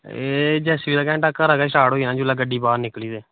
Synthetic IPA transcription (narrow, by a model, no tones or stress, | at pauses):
eːd͡ʒɛːsiːd̪aːkɛ̃ːʈakːəɾaːɡaːʃaːɽoːiːnãːd͡ʒulaːɡəɖːiːbaːɾnɪkliːd̪eː